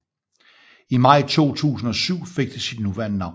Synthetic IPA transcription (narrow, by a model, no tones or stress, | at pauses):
imɑ̈ɪ̰t͡sʰo̝̰ːt͡sʰṵːsn̩ɒ̽syʊ̰fe̝ɡ̥̚d̥isid̥nuʋæɐnənɑ̈ʊ